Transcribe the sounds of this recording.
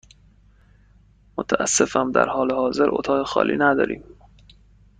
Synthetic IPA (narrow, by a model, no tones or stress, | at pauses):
mot̪ʰæʔæ̰sːe̞fæmd̪æ̰ɾhɒːlehɒːze̞ɾʔo̰t̪ʰɒːɣexɒ̰ːlʔḭːnæd̪ɒ̰ːɾiːm